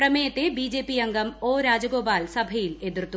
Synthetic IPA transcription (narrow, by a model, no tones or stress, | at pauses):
rɐmɐjɐt̪ːebiːd͡ʑeːpijɐŋɡɐmoːɾaːd͡ʑɐɡoːpaːlsɐbʱɐjiled̪rt̪ːu